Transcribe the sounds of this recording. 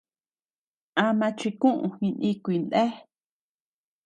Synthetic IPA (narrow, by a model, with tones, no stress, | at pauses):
ã˧mã˧t͡ʃi˧kũ˦ʔũ˧hĩ˧nʔĩ˧kʷi˧nd̪e˦